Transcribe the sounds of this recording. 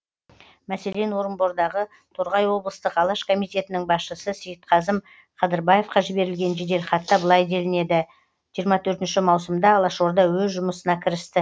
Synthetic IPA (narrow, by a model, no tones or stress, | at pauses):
mæse̞le̞nwo̞ɾəmbo̞ɾd̪ɑʁə | t̪ʰoɾʁɑjwo̞blˠəst̪əqɑlˠɑʃkʰo̞mijt̪e̞t̪ɪnɪŋbɑsʃəsəsijət̪̚qʰɑzəm | qʰɑd̪əɾbɑje̞fqɑʒɪbe̞ɾɪlɡʲe̞nʒed̪e̞lχɑt̪ːɑbəlˠɑjd̪e̞lɪne̞d̪ɪ | ʒ̥ijəɾmɑt̪ʰɵɾt̪ɪnʃɪmɑwsəmd̪ɑːlˠɑʃo̞ɾd̪ɑwɵzʒʊməsənɑkʲʰɪɾɪst̪ɪ